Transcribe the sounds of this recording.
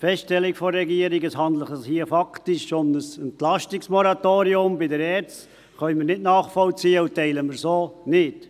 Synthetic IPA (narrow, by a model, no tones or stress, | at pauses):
fɛstʃtɛlːɪkfɔːɛɡiəɾiɡəsɦɑnd̪ləχəshiəfɑktɪʃomnəsɛntlɑʃtɪksmɔɾɑtoːɾiʊmbɪdəɾɛːɾt͡st | χœʏməɾnɪtnɑːχfɔlt͡siːəutɛɪləməɾsoːnɪt